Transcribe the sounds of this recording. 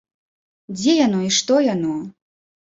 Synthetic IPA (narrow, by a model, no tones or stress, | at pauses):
d͡zʲɛjanɔiʂt̪ɔjanɔ